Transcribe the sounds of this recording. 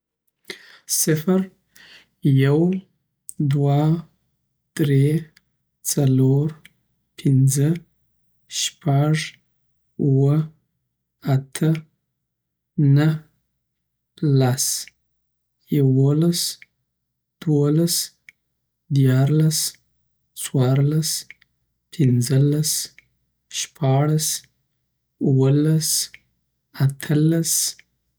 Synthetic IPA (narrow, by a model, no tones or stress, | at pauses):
sɪfəɾ | jaw | d̪wa | d̪̥ɾe | t͡saloɾ | pʰɪnzə | ʃpaʐ | uwə | at̪ʰə | nəh | las | jawolas | d̪̥wolas | d̪jɑɾlas | t͡swɑɾlas | pʰɪnd͡zəlas | ʃpʰɑɽas | uwəlas | at̪ʰəlas